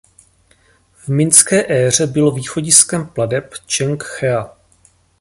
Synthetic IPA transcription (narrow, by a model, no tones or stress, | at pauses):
vmɪnskɛːʔɛːr̝ɛbɪlo̞viːxo̞ɟɪskɛmpladɛpt͡ʃɛŋkxɛa